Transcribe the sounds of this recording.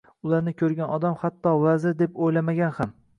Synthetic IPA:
ʊlˠaɾnɪkʲʰɵɾɡʲanɒd̪amhat̪ʰːɒvazɪɾd̪e̞pojlamaɡʲanham

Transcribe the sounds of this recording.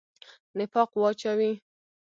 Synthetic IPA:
nɪfɑqwɑt͡ʃawi

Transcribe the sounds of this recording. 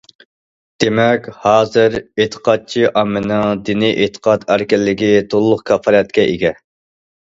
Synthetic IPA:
d̪̥emɛkʲhɑːzɨɾet̪ʰə̥qʰɑt̪̚t͡ʃʰiʔɑmːɨnɨŋd̪iniʔet̪ʰə̥qʰɑt̪æɾkʲɪlːɪɡʲit̪ʰolˠlːˠʊqkʲʰɑfɑɾɛt̪̚kʲɛʔeɡʲɛ

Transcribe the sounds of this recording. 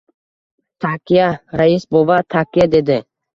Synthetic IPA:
t̪ʰakijaɾaisbovat̪ʰakijad̪ed̪ɪ

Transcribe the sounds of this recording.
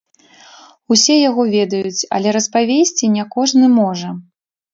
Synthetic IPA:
usʲɛjaɣɔvʲɛd̪ɐjut͡sʲɐ̰lʲɛɾɐspavʲesʲt͡sʲinʲakɔʐnɨmɔʐɐ

